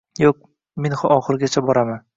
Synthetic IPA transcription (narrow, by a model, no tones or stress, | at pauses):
joq̚ | menχʊʔɒχɨɾɡʲat͡ʃʰabɒɾaman